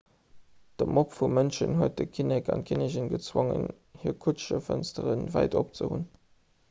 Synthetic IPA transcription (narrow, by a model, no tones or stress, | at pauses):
d̥əmʔopfumənʃənhuət̚dəkʰinɛkɑ̰ntkʰineʑənɡət͡swoŋə̰n | hiːkʰutʃəfənstəʁənvæɪdop̚t͡səhṵn